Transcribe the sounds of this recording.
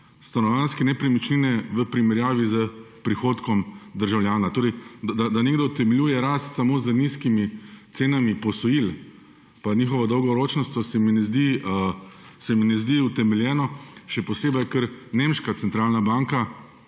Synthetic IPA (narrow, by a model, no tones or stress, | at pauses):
st̪anɔʋjaːnskɛnɛpɾimit͡ʃlinɛʋəpɾimɛɾjaːʋizə | pɾixoːt̪kɔmd̪əɾʒawljaːnat̪oːɾɛɪjd̪d̪ad̪aneːɡd̪ɔt̪ɛmɛlʲjujɛɾast̪samoːzəniskimit̪seːnamipɔsɔjil | paniːxɔʋɔd̪ɔwɡɔɾoːt͡ʃnɔst̪ɔsɛminɛzd̪iə | sɛminɛzd̪iut̪ɛmɛljɛːnɔʃɛpɔseːbɐjkəɾnemʃkat̪sɛnt̪ɾaːlnabaŋka